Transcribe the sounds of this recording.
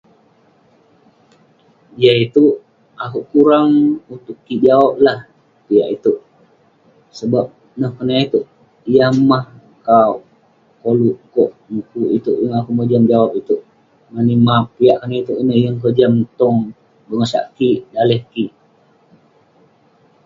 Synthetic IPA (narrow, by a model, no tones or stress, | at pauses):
ijait̪u | akuʔkuɾaŋut̪ʊkːid͡ʒawap̚lah | piaʔit̪uʔ | səbap̚ | nəhkənait̪uʔ | ijamah | kaw | koluʔkɔʔmukuit̪uʔjəŋakuʔməd͡ʒamd͡ʒawap̚it̪uʔ | manimapiaʔkənait̪uʔinəhjəŋkod͡ʒamt̪ɔŋ | bəŋəsa̰ʔkiʔdalɛhkiʔ